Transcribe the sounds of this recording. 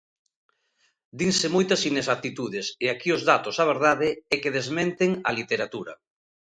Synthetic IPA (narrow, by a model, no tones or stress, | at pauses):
d̪iŋsemojt̪ɐsinesat̪it̪uðeseakiozðat̪osaβ̞eɾð̞aðeɛkeð̞ezmẽnt̪eŋalit̪eɾat̪uɾɐ̰